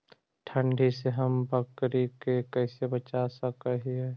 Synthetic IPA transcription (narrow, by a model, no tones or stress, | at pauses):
ʈʰə̃ɳɖʱiseɦəmbʱəkɾikekɛːsebət͡ʃasəkəɦiɦɛ